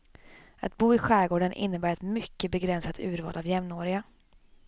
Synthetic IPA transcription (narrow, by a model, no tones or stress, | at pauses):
ʔat̪buːɪɧæːɡoːɖənʔɪ̰nːəbæːɾɛt̪mʏkːəbɛɡɾɛnsat̪ʰʉ̟ːɾvɑ̰ːlʔavjɛmnoːɾɪɡa